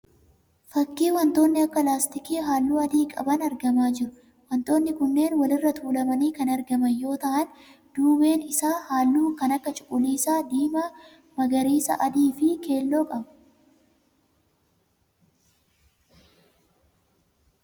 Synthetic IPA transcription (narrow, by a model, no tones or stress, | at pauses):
fɐkːiːwɐnt̪o̞ːnːɪɐkːɐlaːst̪ɪkiːɦaːlːuːɐd̪iːkʼɐ̰bɐnɐɾɡɐmaːd͡ʒɪɾʊ | wɐnt̪o̞ːnːɪkʊnːe̞ːnwɐlɪrːɐt̪ʰuːlɐmɐniːkɐnɐɾɡɐmɐnjo̞ːt̪ɐʔɐn | d̪̥uːbe̞ːnɪsaːhaːlːuːkɐnɐkːɐt͡ʃʼʊ̥kʼʊliːsaːd̪iːmaː | mɐɡɐɾiːsɐ̰ʔɐd̪iːfɪke̞ːlːo̞ːkʼɐb